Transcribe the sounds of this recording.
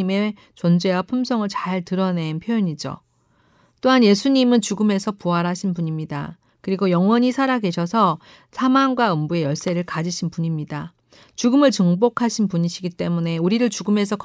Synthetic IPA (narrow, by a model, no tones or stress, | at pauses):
ime̞ | t͡ɕʌnd͡ʑe̞wapʰumsʰʌŋɯɭt͡ɕaɭtɯɾʌne̞npʰjojoɲid͡ʑo̰ | t͈oɦanje̞sʰuɲimɯnt͡ɕuɡɯme̞sʰʌpuaɾɦaɕʰinpuɲimɲida̰ | kɯɾiɡojʌŋwʌɲisʰaɾaɡe̞ɕʰʌsʰʌ | sʰamaŋɡwaɯmbue̞jʌɭs͈e̞ɾɯɭkad͡ʑiɕʰinpuɲimɲida | t͡ɕuɡɯmɯɭt͡ɕɯŋbokʰaɕʰinpuɲiɕʰiɡit͈e̞mune̞uɾiɾɯɭt͡ɕuɡɯme̞s̬ʰʌk